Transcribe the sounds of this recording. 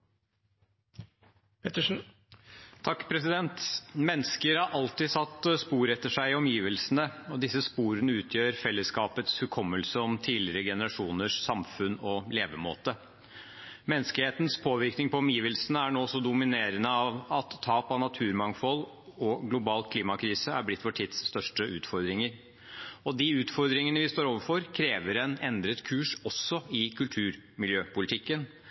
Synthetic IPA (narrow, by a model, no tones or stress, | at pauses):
pʰɛt̪ə | t̪ʰɑkːpʰɾɛsɪd̪ɛnt̪mɛnːəskəɾhɑɾʔɑlt̪ɪsɑt̪ːspuːɾɛt̪ːəʂæɪɔmjiːʋəlsənəɔd̪ɪsːəspuːɾənəʉːt̪ʰjøːɾfɛlːəskɑːpət̪shʉkʰɔmːəlsəɔmt̪ʰiːlɪɾəɡɛnəɾɑʂuːnəʂsɑmfʉnɔleːʋəmo̰ːt̪ə | mɛnːəsklɪheːt̪n̩spʰoːʋɪɾknɪŋpɔmjiːʋəlsənəæɳoːsɔd̪ʊmɪneːɾənəɑʋɑt̪ʰːɑːpɑnɑt̪ʰʉːɾmɑŋfɔl | ɔɡlʊbɑːlkʰliːmɑkʰɾiːsəæ̰ɾblɪt̪ːfɔʈʰiːd̪sːt̪œʂʈəʔʉːt̪fɔɾd̪ɾɪŋəɾ | ɔd̪iʉːt̪fɔɾd̪ɾɪŋənəʋɪst̪oːɾoːʋəɾfɔɾkʰɾeːʋəɾɛnɛnd̪ɾət̪kʰʉːʂɔsɔɪkʰʉlt̪ʰʉːɾmɪljøːpʊlɪt̪ʰɪkːən